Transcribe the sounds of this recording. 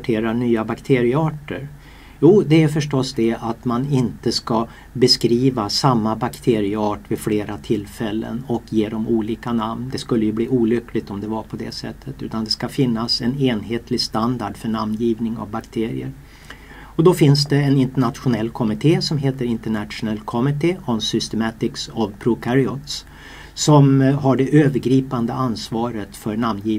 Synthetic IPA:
ʈʰeːɾaɳyːabakt̪ʰeːɾɪəɑːʈəɾ | juːd̪ɛæfœʂʈɔsd̪ɛat̪manɪnt̪əska | bɛskɾiːvasamːabakt̪ʰeːɾɪəɑːʈvɪfleːɾat̪ʰɪlfɛlːə̰nɔkjeːd̪ɔmuːliːkanamnd̪ɛskɵlːəjɵbliːuːlʏkːlɪɡ̚t̪ɔmd̪ɛvapʰɔd̪ɛ̰sɛ̰t̪ʰːət̪ʉ̟ːt̪and̪ɛskafɪnːasɛneːnɦeːt̪ʰlɪst̪and̪aɖfœɳamnjiːvnɪŋa̰vbakt̪ʰeːɾɪ̰ə̰ɾ | ɔd̪ɔfɪnsd̪ɛːnɪnt̪əɳat̪ɧʊnɛlːkʰɔmɪt̪ʰeːsɔmɦeːt̪əɾɪnt̪əɳat̪ɧʊnɛlkʰɔmɪt̪ʰeːɔnsʏst̪ɛmat̪ɪksɔvpʰɾʊkʰaɾɪɔt̪s | sɔmɦaɖɛʔøːvəɾɡɾiːpand̪əansvɑːɾət̪fœɾɳamnjiː

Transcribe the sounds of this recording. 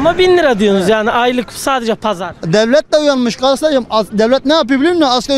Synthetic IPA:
mabinːiɾad̪yjonuzjaːniʔajlˠɯksaːd̪ɛd͡ʒɛpʰazaɾd̪ɛvlʲɛt̪̚dɛujanmɯʃkʰaɾsɯlˠad͡ʒamad̪ɛvlʲɛt̪̚nɛjap̬ɯjblʲinmɛaska

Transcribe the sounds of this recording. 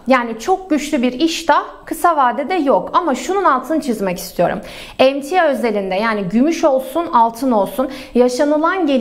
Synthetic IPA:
jaːnit͡ʃʰo̞k̚ɟyt͡ʃlʲybiɾiʃt̪ʰa | kʰɯsavaːd̪ɛd̪ɛjokamaʃununalˠt̪ʰɯnt͡ʃʰizmɛci̥st̪ʰijo̞̰ɾṵm | ɛmt̪ʰijaøze̞lʲind̪ɛjaːniɟymyʃo̞lˠsunalˠt̪ʰɯno̞lˠsun | jaʃanɯlˠanɟe̞

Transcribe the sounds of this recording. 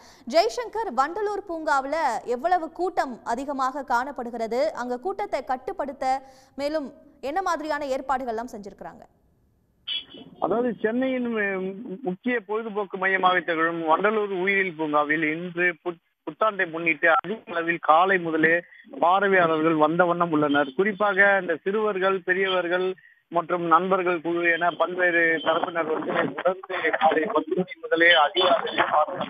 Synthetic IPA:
d͡ʒɐɪʂɛŋkɐɾʋɐɳɖɐluːɾpuːŋɡaːʋɪlɐɛʋːɐɭɐʋɯkuːʈːɐmɐðɪɣɐmaːɣɐkaːɳɐpːɐɽɯɣɪrɐðɯʔɐŋɡɐkuːʈːɐt̪ːɐɪkɐʈːɯpːɐɽɯt̪ːɐmeːlɯmɛnːɐmaːðɪɾɪjaːnɐeːɾpaːɽɯɣɐɭlːaːmsɛɲd͡ʒɪɾɯkːɪɾa̰ːŋɡɐ | ʔɐðaːʋɐðɯt͡ʃɛnːɐjɪnmmʊkːɪjɐpojðɯpoːkːɯmɐjɐmaːɣɪt̪ːɐɣɐɭɯmʋɐɳɖɐluːɾʊjɪɾɪlp̬uːŋɡaːʋɪlɪndrɯp | pʊt̪ːaːɳɖɐɪmʊɳːɪʈːɯɐðɪɣɐlɐʋɪlkaːlɐɪmʊðɐleːpaːɾɐʋɪjaːɭɐʋɐɾɣɐɭʋɐnd̪ɐʋɐɳːɐmʊɭːɐnɐɾkʊrɪpːaːɣɐːnd̪ɐsɪɾɯʋɐɾɣɐɭpɛɾɪjɐʋɐɾɣɐɭ | mɐʈrɯmnɐnbɐɾɣɐɭkʊɻɯʋɯeːnɐpɐlʋeːɾɯt̪ɐɾɐpːɪnɐɾʋɐnd̪ɯnɐmʊɽɐɾnd̪ɯkaːlɐɪpɐt̪ːɯnɐɪmʊðɐleːɐðɪɣaːðɐɯpaːɾnɐn

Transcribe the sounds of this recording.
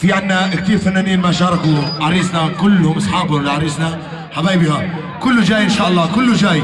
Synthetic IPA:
fiʕanːak̚t̪iːɾfanːaːniːnmaʃɑːɾˤɑkuʕaɾiːsnakʊlːʊmʔɑsˤħɑːbhʊlʕɑɾiːsna | ħabaːjbiha | kʊlːuʒaːjʔɪnʃaːʔɑlˤːɑːkʊlːuʒaːj

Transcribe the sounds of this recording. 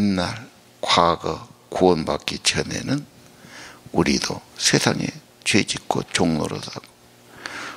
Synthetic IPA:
inːaɭ | kʰwaɡɯkʰuonbakːit͡ɕʰənḛnɯn | uɾid̪osʰesʰaŋe | t͡ɕʰwed͡ʑikʰkot͡ɕʰoŋnoɾodaɡo

